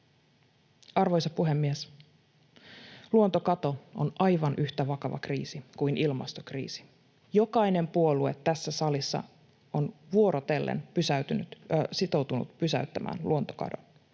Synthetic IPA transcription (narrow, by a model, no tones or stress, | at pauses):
ɑrʋo̞jsɑpuɦe̞mːies | luont̪o̞kɑt̪o̞onʔɑjʋɑnʔyçt̪æʋɑkɑʋɑ̰kriːsikujnʔilmɑ̰st̪o̞krḭːsi̥ | jo̞kɑjne̞mpuo̞lue̞t̪ːæsːæsɑlisːɑ̰ | onʋuo̞ɾot̪e̞lːʔḛnpysæyt̪ynyt̪sit̪o̞wt̪unṵt̪pysæ̰yt̪ːæmʔæ̰ːnluo̞nt̪o̞̥kɑ̰do̞̰n